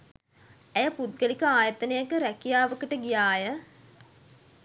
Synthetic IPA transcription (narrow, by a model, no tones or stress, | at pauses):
æjəpud̪̚ɡəlikəaːjət̪ənejəkəɾækijaːʋəkəʈəɡijaːjə